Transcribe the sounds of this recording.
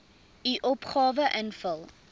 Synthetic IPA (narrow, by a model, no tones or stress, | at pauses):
iʔɔpχɑːvəʔənfəlˠ